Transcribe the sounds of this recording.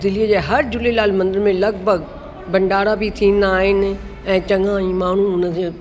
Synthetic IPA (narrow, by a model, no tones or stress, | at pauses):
d̪ɪlijəd͡ʑeːɦɐɾd͡ʑʊlelaːlmɐ̃nd̪ɪɾmẽlɐɡbʱəɡ | bɐ̃ɳɖaːɽabit̪ʰĩːn̆d̪aːɦɪn | ɛ̃ːt͡ɕɐ̃ŋãːĩːmaːɳ̤ũʊnəe